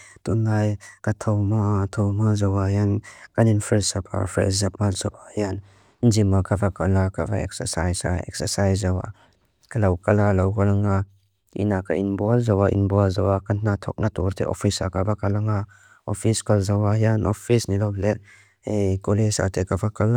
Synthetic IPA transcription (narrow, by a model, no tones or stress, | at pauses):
t̪unajkat̪ʰɔwmat̪ʰɔwmazawajankaninfʰɾɛsapʰa̰fɾɛ̰zap̚alzawajan | nzimakʰavakalakava̰ɛ̰k̚səsajsa̰ɛ̰k̚səsajsawa̰ | kalawkalalawkalaŋa | ḭnaka̰inbɔalzawaʔḭnbɔalzawakanat̪ʰɔ̰k̚natɔɾtʰḛʔɔ̰pʰisakabakalaŋa | ɔpʰiskalzawajanɔpʰisnilɔble | ekolesa̰t̪ʰekabakal